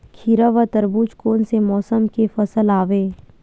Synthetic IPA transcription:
kʰiɾəʋɐt̪əɾbuːt͡ʃkoːnsemɔːsəmkefɐsəlaːʋeː

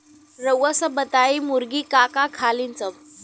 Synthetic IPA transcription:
ɾəwəsəbət̪aimuɾɡiːkakakʰalint͡səm

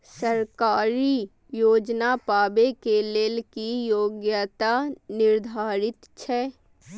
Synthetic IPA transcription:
səɾkaːɾi | joːd͡ʒnapaːbekeleːlkijoːɡjat̪anɪɾd̪ʱaːɾɪt̪t͡ʃʰɛː

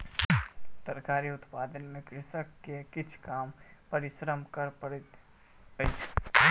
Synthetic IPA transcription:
sɐɾkaːɾiʊt̪paːd̪ənmẽkɾɪsəkːekɪt͡ʃʰkaːmpɐɾɪʃɾəmkɐɾp

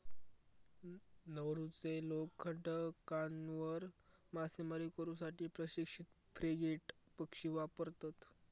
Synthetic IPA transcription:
nəwɾut͡selokʰəʈəkanʋəɾ | masemaɾikəɾũːsaʈiːpɾəɕikʂit̪ | fɾeɡeʈ | pəkʂiːʋapəɾt̪at̪

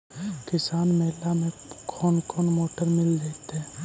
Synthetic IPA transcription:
kɪsaːnmɛlamẽkʰɔːnkʰɔːnmoːʈəɾmɪld̪eːt̪eɦɛ̃ː

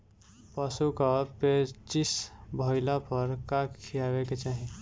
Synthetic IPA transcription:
pəsukapet͡ʃisbʱəɪlapəɾkakkʰijaʋeket͡ʃaːɦĩ

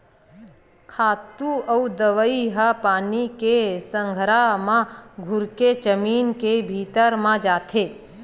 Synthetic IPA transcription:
kʰaːt̪uəud̪əʋəiɦəpaːnikesə̃ŋɡʱɾamãɡʱʊɾked͡ʒəmiːnkebʱiːt̪əɾmãd͡ʒaːt̪ʰeː

